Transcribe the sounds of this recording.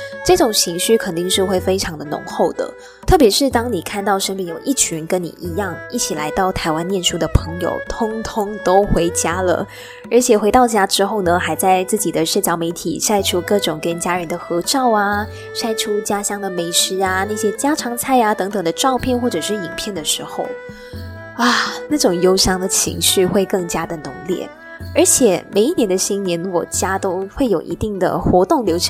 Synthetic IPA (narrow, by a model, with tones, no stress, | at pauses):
ʈ͡ʂɤ˥˩ʈ͡ʂʊ˨˩ŋt͡ɕʰi˧˥ŋɕy˥˩kʰə˨˩nt̪i˥˧ŋʂɻ̩˥˧xwe˥˩ɪfe˥ɪʈ͡ʂʰɑ˧˥ŋd̪ə˨nʊ̰˧˥ŋxo˥˩ʊd̪ə̰˩ | t̪ʰɤ˥˩p̬jɛ˧˥ʂɻ̩˥˩t̪ɑ˥ŋni˨˩kʰa˥˧nt̪ɑ˥˩ʊʂə˥npɛ˥˩njo˨˩ʊʔi˥˩t͡ɕʰy˧˥nkə˦˥nnḭ˨˩ʔi˧˥jɑ˥˩ŋi˥˩t͡ɕʰi˨˩la̰˧˥ɪt̪ɑ˥˩ʊt̪ʰa˧˥ɪwa˥nːjɛ˥˩nʂu˥d̪ə˨pʰɤ˧˥ŋjo̰˨˩ʊt̪ʰʊ˥ŋt̪ʰʊ˥ŋt̪o˥ʊxwe˧˥ɪt͡ɕja˥lə̰˩ | ə˞˧˥t͡ɕʰjɛ˨˩xe˧ɪt̪ɑ˥˩ʊt͡ɕja˥ʈ͡ʂɻ̩˥xo˥˩ʊnə˩xa˧˥ɪt͡sa˥˧ɪt͡sɹ̩˥˩t͡ɕi˨˩d̪ə˦ʂə˥˩t͡ɕjɑ˧˥ʊme˧˥ɪt̪ʰḭ˨˩ʂa˥˩ɪʈ͡ʂʰu˥kɤ˥˩ʈ͡ʂʊ˨˩ŋkə˦˥nt͡ɕja˥ɻə˧˥nd̪ə˨xɤ˧˥ʈ͡ʂɑ˥˩ʊa˧˩ | ʂa˥ɪʈ͡ʂʰu˥t͡ɕja˥ɕjɑ˥ŋd̪ə˨me˧˥ɪʂɻ̩˧˥a˧na˥˩ɕjɛ˥t͡ɕja˥ʈ͡ʂʰɑ˧˥ŋt͡sʰa˥˩ɪa˧t̪ɤ˧˥ŋt̪ɤ˨˩ŋd̪ə˦ʈ͡ʂɑ˥˧ʊpʰjɛ˥˧nxwɔ˥˩ʈ͡ʂɤ˨˩ʂɻ̩˥˩i˨˩ŋpʰjɛ˥˩nd̪ə˩ʂɻ̩˧˥xo˥˧ʊ | a˥˩na˥˩ʈ͡ʂʊ˨˩ŋjo˥ʊɕjɑ˥ŋd̪ə˨t͡ɕʰḭ˧˥ŋɕy˥˧xwe˥˧ɪkɤ˥˩ŋt͡ɕja˥d̪ə˨nʊ̰˧˥ŋljɛ̰˥˩ | ə˞˧˥t͡ɕʰjɛ˨˩me˨˩ɪi˥˩njɛ˧˥nd̪ə˧ɕi˥nnjɛ˧˥nwɔ˨˩t͡ɕja˥t̪o˥ʊxwe˥˩ɪjo˨˩ʊʔḭ˧˥t̪i˥˩ŋd̪ə̰˩xwɔ˧˥t̪ʊ˥˩ŋljo˧˥ʊʈ͡ʂʰ